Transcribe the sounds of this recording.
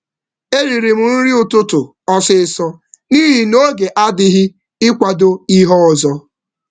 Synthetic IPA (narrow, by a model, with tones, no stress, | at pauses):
e˦ɾi˨ɾi˨m̩˨˦n̩˦ɾi˦ʊ˨tʊ˦tʊ˨ | ɔ˦sɪ˦ɪ˨sɔ˦niː˦ɦi˨no˦ɡe˨ʔa˦dɪ˦ɦɪ˦ | ɪ˦kʷa˨do˦i˦ɦɔ˦ɔ˨zɔ˦